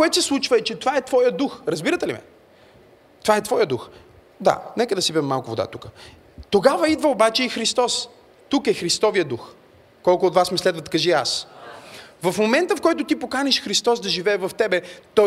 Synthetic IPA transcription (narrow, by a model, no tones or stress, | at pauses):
koɛt̪sɛslˠut͡ʃvəɛt͡ʃɛt̪ovaɛt̪vɔjəd̪uxɾɐzbiɾət̪ɛlimɛ̰ | t̪ovaɛt̪vɔjəd̪ux | d̪a̰nɛkəd̪ɐsibiɛmːalˠkʊvod̪a̰t̪ukə̥ | t̪oɡavəid̪vɐobat͡ʃɛixɾist̪ɔs | t̪ukɛxɾist̪ɔvijəd̪ux | kɔlˠkʊoːt̪vasmɛslɛd̪vət̪kɐʒia̰s | vɐfmomɛnt̪əfkɔjt̪ʊt̪ipokanʲɛʃxɾist̪ɔsd̪ɐʒivɛːvɐft̪ɛbɛt̪ɔ